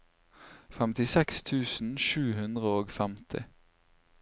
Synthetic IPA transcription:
fɛmt̪ɪsɛkst̪ʰʉːsn̩ʃʉːhʉnd̪ʁəoːɡfæmt̪ʰɪ̰

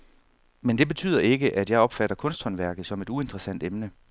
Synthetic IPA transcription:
mend̥e̝b̥e̝t͡sʰy̰ːð̰ˠɐe̝ɡ̥əʔæd̥jɑ̈ɪɒ̽b̥fæɾ̥ɐkʰɔ̽nsd̥hɒ̽nʋæɐɡ̥ð̩ˠsɒ̽me̝d̥ue̝nd̥ʁɐsæn̰d̥emnə

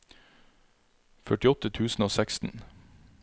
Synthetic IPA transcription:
fœʈɪɔt̪ət̪ʰʉːsn̩oːsækst̪n̩

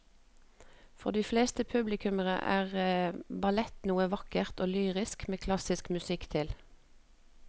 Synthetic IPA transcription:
fɔ̰ʁd̪iːfleːst̪əpʰʉblɪkʉməʁə̰ʔæ̰ːʁəbɑlɛt̪nuːəʋɑkəʁt̪oːlyːʁɪskmeːkʰlɑsɪskmʉsɪkt̪ʰɪl

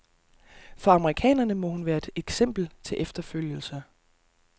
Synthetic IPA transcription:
fɒɑ̈məʁikʰɛ̰ːnɐnəmɒ̽hunʋæːɐe̝d̥eɡ̥sem̰b̥l̩t͡sʰe̝lʔefd̥ɐføl̰jəl̩sɐ

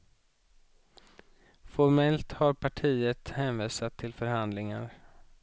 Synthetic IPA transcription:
fɔɾmɛlt̪haɾpʰaʈʰiːət̪hɛːnviːsat̪ʰːɪlfœɾhand̪lɪŋa̰ɾ

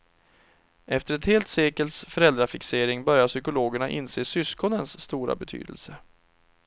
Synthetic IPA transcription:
ʔɛft̪əɾɛt̪heːlt̪seːkəlt̪sfœɾɛld̪ɾafɪkseːɾɪŋbœɾjaʂʏkʊloːɡəɳaʔɪ̰nseːsʏskɔnənsːt̪uːɾa̰bɛt̪ʰy̰ːd̪ə̰lsə

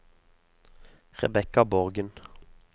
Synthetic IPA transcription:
ʁɛ̰bɛkɑbɔʁɡən

